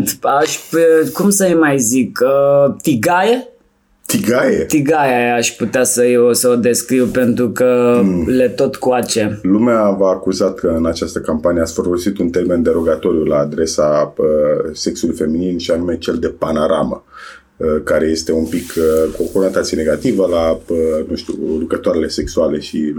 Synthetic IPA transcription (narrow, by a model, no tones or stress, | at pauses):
t̪aʃpkumsəjmajzikət̪iɡaje | t̪iɡajḛt̪iɡajeaʃput̪easəjeosəod̪e̞skɾiwpe̞nt̪ɾukəle̞t̪o̞t̪kuat͡ʃe̞lumeavaːkuzat̪̚kəɨnat͡ʃast̪əkampanijeasfəɾvosit̪unt̪e̞rme̞nd̪e̞ɾo̞ɡat̪o̞ɾijulaːd̪ɾe̞saəse̞ksulujfe̞mininʃianume̞t͡ʃe̞ld̪e̞panoɾa̰mə̰ | əkaɾe̞je̞st̪e̞unpikʰkokonant̪at̪siene̞ɡat̪ivəlaənuʃt̪ʲṵlukɾət̪oaɾele̞se̞ksuale̞ʃi